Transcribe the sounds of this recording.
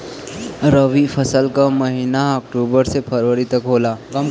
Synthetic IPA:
ɾəʋipʰəsəlkamɐɦiːnaɔːkʈuːbəɾsepʰəɾʋəɾit̪ɐkɦoːlaːɡ

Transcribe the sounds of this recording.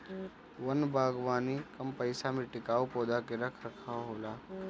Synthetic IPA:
ʋɐnbʱaːɡʋaːnikɐmpɐɪsamiʈɪkaːwpoːd̪akeɾɐkʰɾɐkʰaɦoːlaː

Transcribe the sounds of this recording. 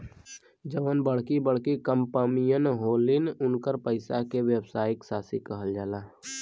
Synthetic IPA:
d͡ʒəʋənbəɽ̤kibəɽkikəmpəmijənɦoːlɪnʊnkəɾpəɪsakewjəbsaːjɪksaːsikəɦəld͡ʒaːlaː

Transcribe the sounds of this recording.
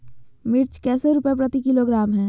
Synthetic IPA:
mɪɾt͡ʃkɛːseɾupepɾət̪ikiloɡɾaːmɦɛ̃ː

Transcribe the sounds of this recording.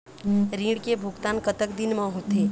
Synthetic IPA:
ɾĩːɽkebʱʊɡt̪aːnkət̪əkd̪ɪnmãɦot̪eː

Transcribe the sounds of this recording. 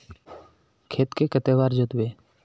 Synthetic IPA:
kʰeːt̪kekət̪eːʋaːɾd͡ʒoːt̪beː

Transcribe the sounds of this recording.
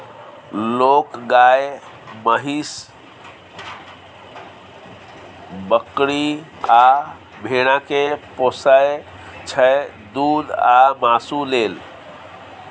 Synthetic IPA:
lokɡaj | məɦis | bəkɾia | bʱeɽ̃akeposəj | t͡ʃʰə | d̪ud̪amasulel

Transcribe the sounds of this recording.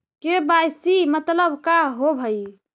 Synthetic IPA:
kebajsimət̪ləbkaɦobʱəi

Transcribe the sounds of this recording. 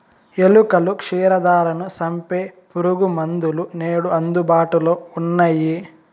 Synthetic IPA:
elukɐlukʂiːɾɐd̪aːɾɐnusɐmpeːpuɾuɡumɐnd̪uluneːɽuɐnd̪ubaːʈuloːunːɐji

